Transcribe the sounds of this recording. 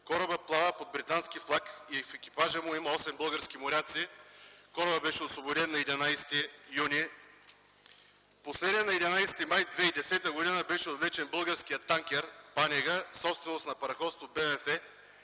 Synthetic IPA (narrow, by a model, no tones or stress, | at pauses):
kɔɾɐbəplˠavapod̪̚bɾit̪anskʲiflˠakiɛfɛk̟ʲi̥paʒəmʊimɐɔsɛmbɤlˠɡəɾsk̟ʲimoɾʲat̪sikɔɾɐbəbɛʃɛosvobod̪ɛnːɐɛd̪inajst̪ijuni | poslɛd̪nʲiɛnɐɛd̪inajsɛt̪imajd̪vɛid̪ɛsɛt̪əɡod̪inəbɛʃɛod̪lɛt͡ʃɛnbɤlˠɡəɾskʲijət̪ːaŋkʲɛɾpanʲɛɡəsɔpst̪vɛnosnɐpɐɾɐxɔt̪st̪vobɛvɛfɛ